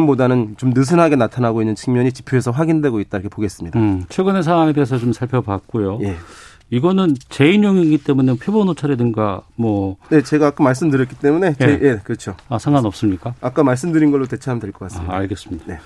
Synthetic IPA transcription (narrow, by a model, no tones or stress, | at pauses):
mbodanɯnt͡ɕomnɯs̬ʰɯnɦaɡe̞natʰanaɡoinːɯnt͡ɕʰɯŋmjʌɲit͡ɕipʰjoe̞sʰʌɸwaɡindwe̞ɡoit̚t͈aiɾʌkʰepoɡe̞s͈ɯmɲidat͡ɕʰweɡɯnes̬ʰawaŋeteːs̬ʰʌt͡ɕomsʰaɭpʰjʌbak̚k͈ojoje̞ | iɡʌnɯnt͡ɕe̞injoŋiɡit͈e̞munepʰjobonot͡ɕʰaɾe̞dɯŋɡamwʌne̞t͡ɕe̞ɡaːk͈amaɭs̬͈ɯmdɯɾjʌtkit͈e̞mune̞jejekɯɾʌt͡ɕʰoasʰaŋɡanʌp̚s͈ɯmɲik͈aak͈amaɭs̬͈ɯmdɯɾinɡʌɭːote̞t͡ɕʰaamdweɭk͈ʌk͈as͈aa̰ɭɡe̞s͈ɯmɲid̥ae̞